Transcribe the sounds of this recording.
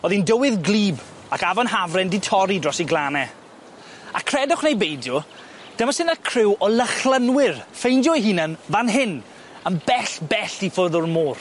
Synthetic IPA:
ɔðindəwɪðɡliːb | akavɔnɦavrɛndɪtʰɔɾidrɔsiɡlˠanɛ | akʰrɛdʊχnejbejdjɔ | d̥əmasɪnakʰrɪwɔlˠəχlˠənwɪrfejndjɔiɦiːnənvanɦɪn | ənbɛɬbɛɬifʊðʊrmoːr

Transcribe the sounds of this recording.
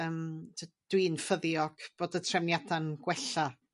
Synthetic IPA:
əmdʰəd̥wiːnfəðjɔɡ̥b̥oːdətʰrɛvnjadanɡ̥wɛɬa

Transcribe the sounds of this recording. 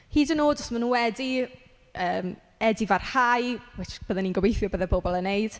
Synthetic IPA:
hiːdənoːdɔsmanunwɛdi | əːm | ɛdivar̥hajwɪt͡ʃb̥əːðɛninɡɔbejθjɔbəːðɛbobɔlˠənejd̥

